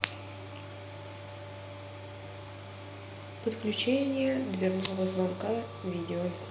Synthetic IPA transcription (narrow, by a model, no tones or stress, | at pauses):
pət̪klʲʉt͡ɕenʲɪjəd̪vʲɪrnuləvəzvanka | vʲidʲɪo